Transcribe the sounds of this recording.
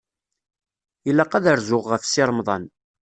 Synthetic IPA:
jəlːæqæðəɾzʊʁʁəfsiɾˤmðˤɑn

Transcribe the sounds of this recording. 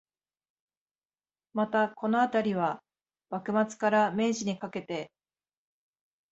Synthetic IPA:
mat̪ako̞no̞at̪aɾʲiβ̞a | b̥akɯ̟mat͡sɨ̥kaɾame̞ːʑiɲ̟ikake̞t̪e̞

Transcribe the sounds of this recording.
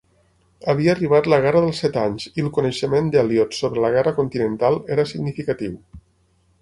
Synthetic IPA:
əβ̞iəːriβ̞at̪ləɣɛrəðəlˠsɛt̪aɲziəlˠkunəʃəmend̪aljɔt̪sːoβɾələɣɛrəkunt̪inənt̪alˠeɾəsiɡnifikət̪iw

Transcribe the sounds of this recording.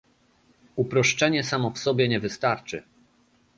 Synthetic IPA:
upɾɔʂt͡ʂɛɲɛsamɔfsɔbʲjɛɲɛvɘst̪aɾt͡ʂɘ̰

